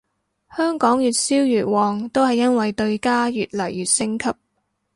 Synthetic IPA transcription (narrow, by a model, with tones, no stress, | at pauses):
hœː˥ŋkɔː˨˥ŋjyː˨t̚siː˥wjyː˨˩t̚wɔː˨ŋt̪o˥whɐ˨jːɐ˥nwɐ˨jt̪ɵ˧ɥkaː˥jyː˨t̚lɐ˨˩jːyː˨t̚sɪ˥ŋkʰɐ˥p̚